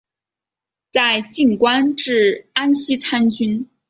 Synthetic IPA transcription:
t͡sa˥˧ɪt͡ɕi˥˩ŋkwa˥nʈ͡ʂɻ̩˥˩a˥nɕi˥t͡sʰa˥nt͡ɕy˥n

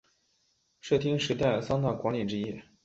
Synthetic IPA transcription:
ʂɤ˥˩t̪ʰi˥ŋʂɻ̩˧˥t̪a˥˩ɪsɑ˥ŋt̪a˥˩kwa˧˥nli˨˩ʈ͡ʂɻ̩˥i˥

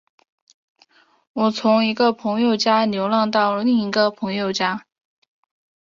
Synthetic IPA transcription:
wɔ˨˩t͡sʰʊ˧˥ŋi˧˥ɡə˧pʰɤ˧˥ŋjo˥˩ʊt͡ɕja˥njo˧˥ʊlɑ˥˧ŋt̪ɑ˥˧ʊləli˥˩ŋi˧˥ɡə˧pʰɤ˧˥ŋjo˥˩ʊt͡ɕja˥

